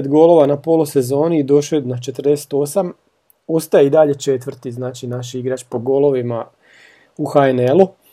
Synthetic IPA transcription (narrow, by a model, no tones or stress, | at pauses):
d̪ɡo̞lˠo̞ʋanapo̞ːluse̞zo̞ːniːd̪o̞ʃoed̪nat͡ʃe̞t̪rd̪e̞se̥t̪o̞sam | o̞st̪ajeid̪aʎe̞t͡ʃe̞t̪ʋr̩t̪iznaːt͡ʃinaʃiɡɾat͡ʃpo̞ɡo̞lˠo̞ʋima | uxaenelu